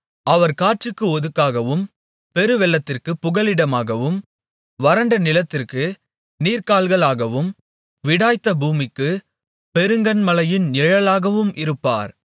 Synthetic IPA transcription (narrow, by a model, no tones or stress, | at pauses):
ɐʋɐɾkaːʈrɯkːɯɔðɯkːaːɣɐʋɯm | pɛɾɯʋɛlːɐt̪ːɪrkɯpːʊɣɐlɪɽɐmaːɣɐʋɯm | ʋɐɾɐɳɖɐnɪlɐt̪ːɪrkɯ | niːɾkaːlɣɐɭaːɣɐʋɯm | ʋɪɽaːjt̪ːɐbuːmɪkːɯ | pɛɾɯŋɡɐnmɐlɐjɪnnɪɻɐlaːɣɐʋɯmʔɪɾɯpːa̰ːɾ